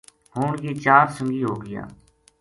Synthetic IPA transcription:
ɦʊːɳjiːt͡ʃaːɾsə̃ŋɡiːɦoːɡɪja̰ː

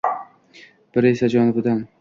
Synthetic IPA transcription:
b̥ɪɾesad͡ʒɒnɪbʊd̪an

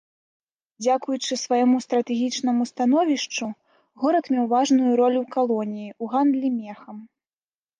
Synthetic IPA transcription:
d͡zʲakujut͡ʂɨsvajɔmust̪ɾɐt̪ɛɣʲit͡ʂnɐmust̪anɔvʲiʂt͡ʂu | ɣɔɾɐt̪mʲɛwvaʐnujuɾɔlʲuwkalˠɔnʲijiuɣand̪lʲimʲɛxɐm

